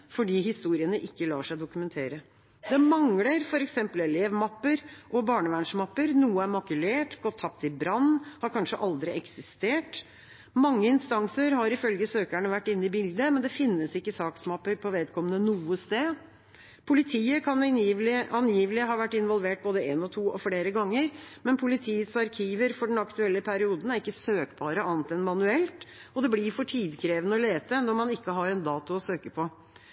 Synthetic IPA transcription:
fɔɖiːɦɪst̪uːɾɪənəʔɪkːəlɑ̰ːʂæɪd̪ʊkʉmɛnt̪ʰeːɾə | d̪ɛmɑŋləɾfɔɾɛksɛmpəlɛleːʋmɑpːəɾʔɔbɑːɳəʋæɳʂmɑpːəɾnuːəæɾmɑkʉleːʈɡɔt̪ʰːɑpt̪ɪbɾɑnːhɑɾkʰɑnʂəʔɑld̪ɾɪɛksɪst̪eːʈ | mɑŋːəɪnst̪ɑŋsəɾɦɑɾɪfœlɡəsøːkæɳəʋæʈːɪnːɪbɪld̪əmɛnd̪ɛfɪnːəsɪkːəsɑːksmɑpːəɾpʰɔʋeːd̪kʰɔmːənənuːəst̪eː | pʰʊlɪt̪ʰiːəkʰɑnɪɑnjiːʋlɪɦɑːʋæʈːɪnʋɔlʋeːʈ̚boːd̪əeːnɔt̪ʰuːʔɔfleːɾəɡɑŋːəɾmɛnpʰʊlɪt̪ʰiːsɑɾkʰiːʋəɾfɔɖɛn̩ɑkt̪ʉɛlːəpʰæɾɪuːd̪n̩æɾɪkːəsøːkbɑːɾəʔɑːnt̪ɛnmɑnʉɛlt̪ɔd̪ɛblɪɾfɔʈʰiːd̪kʰɾeːʋənəɔleːt̪ənɔɾmɑnɪkːəɦɑɾɛnd̪ɑːt̪ʊɔsøːkəpʰɔ

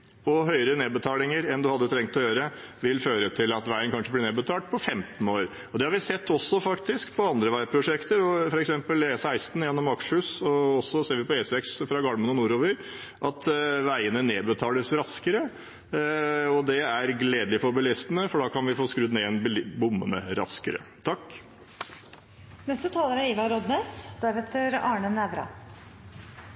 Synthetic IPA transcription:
ɔɦœʏəɾəneːbət̪ʰɑːlɪŋəɾɛnd̪ʉhɑd̪ːət̪ʰɾɛŋt̪ɔjøːɾəʋɪlføːɾət̪ʰɪlɑt̪ʋæɪənkʰɑnʂəblɪneːbət̪ʰɑːlʈ̪̚pʰɔfɛmt̪noːɾ | ɔd̪ɛhɑɾʋɪsɛt̪ʰːɔsːɔfɑkt̪ɪskpʰɔɑnd̪ɾəʋæɪpʰɾʊʂɛkt̪əɾɔfɔɾɛksɛmpəlɛsæɪst̪n̩jɛnːɔmɑkʂəhʉːsɔɔsːɔseːɾʋɪpɔesɛksfɾɑɡɑlmənɔnuːɾoːʋəɾ | ʔɑt̪ʋæɪənəneːbət̪ʰɑːləsɾɑskəɾə | ɔd̪ɛæɾɡleːd̪əlɪfɔbəlɪst̪ənəfɔɖɑːkʰɑnʋɪfoːskɾʉd̪nɛɛnbbʊmːə̰nə̰ɾɑ̰skəɾə̰t̪ʰɑkː | nɛst̪ət̪ʰɑːləɾæɾiːʋɑɾɔd̪neːsd̪̥æɾheːt̪əɾɑːɳənæʋɾɑ̰

